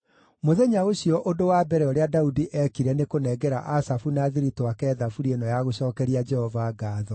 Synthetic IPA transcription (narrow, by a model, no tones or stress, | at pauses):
moðɛɲaoɕijɔʔodowabɛɾɛoɾeadaudiʔɛkiɾɛnekonɛɡɛɾa̰ʔasafunaːðiɾitoakɛːðafuɾienɔjaɣoɕɔːkɛɾiad͡ʒɛhɔvaːɡaːðɔ